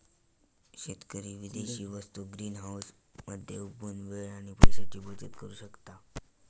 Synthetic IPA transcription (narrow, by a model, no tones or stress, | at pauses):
ɕet̪kəɾiːʋid̪eɕiːʋəst̪uɡɾiːnɦawsməd̪ʱːjeubunʋeɭaɽ̃ipajsat͡ɕiːbot͡sət̪kəɾuːɕəkt̪a